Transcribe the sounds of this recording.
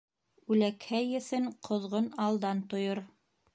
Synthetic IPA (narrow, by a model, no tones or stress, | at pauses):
ʉlækhæjɘ̆θɘɴqʰŏðʁonɑlˠd̪ɑnt̪ŏjoɾ